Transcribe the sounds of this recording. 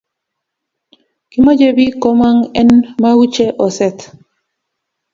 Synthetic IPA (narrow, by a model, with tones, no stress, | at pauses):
ki˦ma˦d͡ʒe˦bi˦kɔ˦ma˦ŋɛ˦nma˦wu˦t͡ʃe˦ʔɔ˨sɛ˨t̪